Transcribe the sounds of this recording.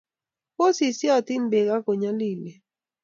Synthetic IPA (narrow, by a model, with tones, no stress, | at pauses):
po˦si˨sjɔ˨ti˦nbe˨ɡa˦ko˨ɲa˦li˦˨le˨